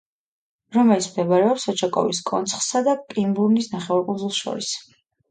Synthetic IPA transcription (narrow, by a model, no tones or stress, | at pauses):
ɾɔmɛlit̪sʰmd̪ɛbaɾɛɔpsɔt͡ʃʰakʼɔ̰viskʼɔ̰nt̪sʰχsad̪akʼimbuɾnisnaχɛvaɾkʼund̪zulˠsʃɔ̰ɾis